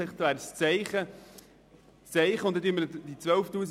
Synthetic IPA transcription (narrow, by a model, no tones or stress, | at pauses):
ɪχt̪væːɾst͡sɛɪχə | t͡sɛɪχəʊnt̪ːet̪ymːəɾd̪̥it͡sʋœlftuːs